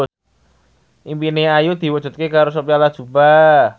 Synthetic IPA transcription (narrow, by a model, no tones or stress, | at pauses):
s | ʔimpineajud̪̥i̤wɔ̥ʒ̥ṳt̪̚kekaɾos̬opialad̥ʒ̥uba